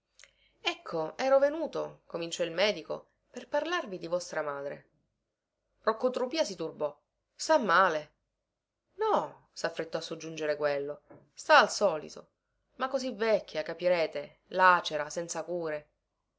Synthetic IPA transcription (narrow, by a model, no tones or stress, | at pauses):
ɛkʰːoɛːɾovenuːt̪okomint͡ʃɔilmɛːd̪iko̰ | perparlarvid̪ivɔst̪ɾamaːd̪ɾḛ | rokːot̪ɾupiːasit̪urbɔ | st̪amːaːle | nɔ | safːɾet̪ːɔasːod͡ʒːund͡ʒeɾekwelːo | st̪aːlsɔːlḭt̪o | makːozivɛkʰʲːjakapiɾeːt̪e | lat͡ʃeɾasɛnt̪sakuːɾe